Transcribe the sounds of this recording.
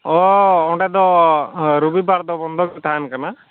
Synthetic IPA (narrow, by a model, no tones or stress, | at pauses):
ɔɔɖed̪ɔ | ɾubibaɾd̪ɔbɔnd̪ʱɔkt̪ʰankana